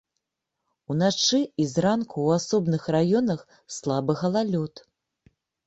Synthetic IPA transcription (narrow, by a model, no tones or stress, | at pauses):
unat͡ʂɨizrankuwasɔbnɨxrajɔnɐx | slˠabɨɣɐlˠalʲɔt̪